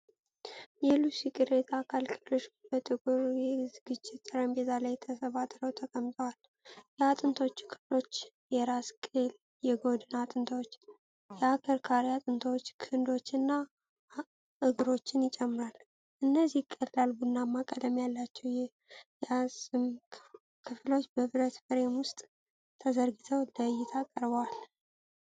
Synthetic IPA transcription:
jɛlusikʼɨɾet̪ʰakʰalkʰʼɨdoʃbət̪ʼɨkʼuɾjɛzɡɨt͡ʃʼːɪt̪̚sʼɨɾəmbet̪ʰalajt̪ʰəsəβat̪ʼɾəwt̪ʰəkʼəmt̪ʼʰəwal | jɛat̪ʼɨnt̪ʰoot͡ʃːkʰɨlo̞t͡ʃː | jɛɾaskʼel | jɛɡo̞d̪ɨnat̪ʼɨnt̪ʰawot͡ʃː | jɛakʰəɾkʰaɾiat̪ʼɨnt̪ʰəwot͡ʃːkʰɨnd̪o̞t͡ʃːɨnːa | ɨɡɨɾo̞t͡ʃːɪnjɪt͡ʃʼɛmːɨɾal | ʔɨnːəzikʼːəlːalbunːamːakʼəd̪əmjalːat͡ʃːɛwjɛ | jasɨm | kʰɨflo̞t͡ʃːbəβɨɾət̪bəɾe̞mwʊst̪ʼ | t̪ʰəzəɾɡit̪ʰəwləjɪt̪ʰakʼəɾbəwal

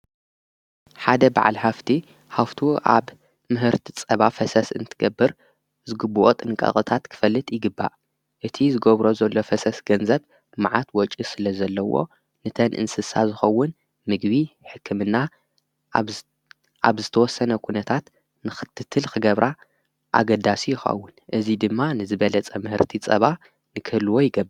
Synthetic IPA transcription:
ħad̪ɐba̰ʕa̰lħaft̪ʰi | haft̪ʰuʔa̰β | mɨɦɨɾt̪ʰit͡sʼɐβafɐsɐsɨ̰nt̪ʰɨɡɐbːɨɾ | zɨɡɨbːuʔot̪ʼɨnkʼɐ̰χʼɨt̪ʰat̪kʰɨ̥fɐlːɨt̪ʼjɪɡɨbːa̰ʔ | ʔɨt̪ʰizɨɡɐβɾo̞zɐlːo̞fɐsɐsɡɐnzɐβ | maʕat̪wɔt͡ʃʼisɨlɐzɐlːɐwo̞̰ | nɨt̪ʰɐnʔɨ̰nsɨsazɨxɐwːʊn | mɨɡbiħɨkʰːɨmɨnːa | ʔa̰βzɨt̪ʰɐwɔsːɐnɐkʰunɐt̪ʰat̪ | nɨxɨ̥t̪ʰːɨt̪ʰːɨlxɨɡɐβɾʔa | ʔa̰ɡɐd̪asijɪxɐ̰wːʊnʔɨzid̪ɨmːanɨzɨβɐlɐt͡sʼɐmɨhɨɾt̪ʰit͡sʼɐ̰βa | nɨkʰɨlɨwojɪɡɐbːɾɨ

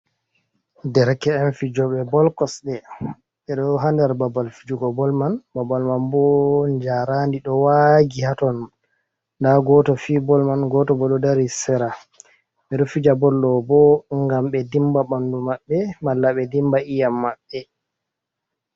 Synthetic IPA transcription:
dɛɾkɛːnfid͡ʒɔɓɛbɔlkɔsɗɛ | ɓɛɗɔɦandɛɾbabalfid͡ʒuɡɔbɔlmanbabalmanbɔɲd͡ʒaɾandiɗɔwaɡihatɔn | ndaɡɔtɔfibɔlmanɡɔtɔbɔɗɔdaɾisɛɾa | ɓɛɗɔfid͡ʒabɔlːɔbɔŋɡamɓɛdimbabandumaɓːɛmalːaɓɛdimbaʔijamːaɓːɛ

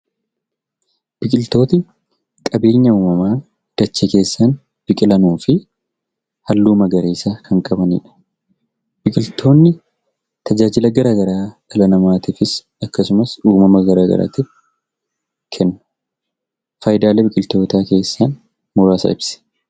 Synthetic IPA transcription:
b̥ɪkʼɪlt̪o̞ːt̪ɪ | kʼɐbe̞ːɲːɐuːmɐmaː | d̪̥ɐt͡ʃːeke̞ːsːɐn | b̥ɪkʼɪlɐnuːfɪ | hɐlːuːmɐɡɐɾeːsaːkʰɐŋkʼɐbɐnḭːᶑɐ̥ | b̥ɪkʼɪlt̪ʰo̞ːnːɪ | t̪ʰɐd͡ʒaːd͡ʒɪlɐɡɐɾaːɡɐɾaːɡɐlɐnɐmaːt̪ɪfɪs | ɐkːɐsʊmɐsuːmɐmɐɡɐɾaːɡɐ̰ɾa̰ːt̪ɪf | kʰɛnːʊ̥ | fɐːjd̪aːlɛbɪkʼɪlt̪o̞ːt̪aːke̞ːsːɐn | mʊɾaːsɐ̰ɪbsɛ̥

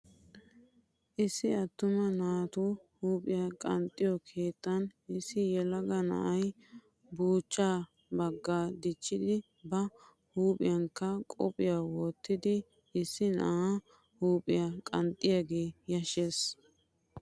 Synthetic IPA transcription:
ʔɪsːɪɐt̪ːʊmɐnaːt̪uhuːpʼɪjɐkʼɐnt̪ʼːɪjɔkʰe̞ːt̪ːɐnʔɪsɪjɛlɐɡɐnɐ̰ʔɐj | buːt͡ʃːaː | bɐɡːaːd̪ɪt͡ʃːɪd̪ɪ | bɐ | huːpʼɪjɐŋkːɐkʼɔpʼɪjawɔːt̪ːɪd̪ɪ | ɪsːɪnɐ̰ʔa | huːpʼɪjakʼɐ̰nt̪ʼːɪjaɡe̞ːjɐʃeːs

